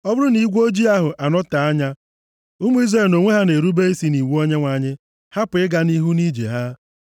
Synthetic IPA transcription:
ɔ˦bʊ˦ɾʊ˦ni˦˨˦ɡʷo˦d͡ʒi˦a˦ɦʊ˨ʔa˨nɔ˦ta˨a˦ɲa˦ | ʊ˦mu˦i˦zre˦˨no˨ŋʷe˦ɦa˦ne˨ɾu˦be˦i˦si˦ni˨wu˦o˦ɲe˦ŋʷa˨ɲɪ˦ | ha˦pɪ˦ɡa˦ni˦ɦu˦ni˦d͡ʒḛ˨ɦa˦

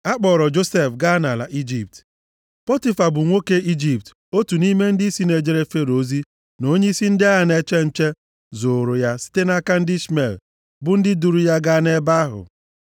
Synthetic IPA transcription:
a˦k͡pɔː˨ɾɔ˨d͡ʒo˦se˦˨fɡa˦na˨la̰˨ʔi˦d͡ʒi˨p̚t | pɔ˦ti˦fa˨bʊ˨ŋʷo˦ke˦i˦d͡ʒi˨p̚t | o˦tu˨ni˦me˦n̩˦dɪ˦i˦si˦ne˨d͡ʒe˨ɾe˦fe˦ɾo˦zi˦ | no˦ɲe˦i˦si˦n̩˦dɪ˦a˦a˨ne˦t͡ʃe˦n̩˦t͡ʃe˦ | zo˨ɾʊ˨ja˦si̥˦te˦na˦ka˦n̩˦dɪ˦sme˨l | bʊ˦n̩˦dɪ˦du˨ɾu˨ja˦ɡa˦ne˦ba˦a˦ɦʊ̰˨

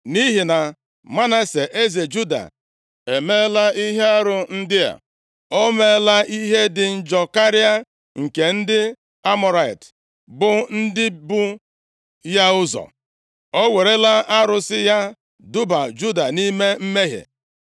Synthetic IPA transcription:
ni˦ɦi˨na˨ | ma˦ne˦se˨ʔe˦ze˨d͡ʒu˦da̰˨ | e˨me˦la˦i˦ɦe˦a˦ɾʊ˨n̩˦dɪ˦ja̰˨ | o˦me˦la˦ʔi˦ɦe˦dɪ˨n̩˦d͡ʒɔ˨ka˦ɾi˦a˦ | ŋ̩˨ke˨n̩˦dɪ˦ | a˦mɔ˨ɾa˨ḭ˨t | bʊ˨n̩˦dɪ˦bu˦ | ja˦ʊ˦zɔ̰˨ | o˦we˨ɾe˦la˦a˦ɾʊ˦sɪ˦ja˦ | dʊ˦ba˨d͡ʒu˦da˨ni˦me˦m̩˦me˦ɦḛ˨

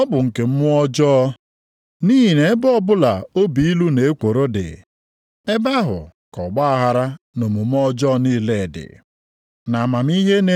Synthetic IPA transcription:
ɔ˦bʊ˨ŋ̩˨ke˨m̩˦mʊ˦ɔ˦d͡ʒɔ˦ | niː˦ɦi˨ne˨˦bɔ˦bʊ˦la˨o˦bi˨i˦lu˦ne˨e˦kʷo˨ɾo˦dɪ̰˨ | e˦ba˦ɦʊ̰˨ | kɔ˨ɡ͡ba˦a˨ɦa˨ɾa˦ | no˨mʊ˨m˦ɔ˦d͡ʒɔ˦niː˦le˨dɪ̰˨ | na˨ma˨m˦i˦ɦe˦ne˦

